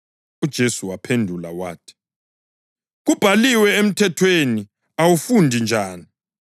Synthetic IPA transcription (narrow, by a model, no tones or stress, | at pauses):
ud̥ʒ̥ʱesuwapʰendʱula̰wa̰ːtʰi̥ | ɣub̥ʱaliwɛem̩tʰɛtʰweni | awufundʱind͡ʒʱaːni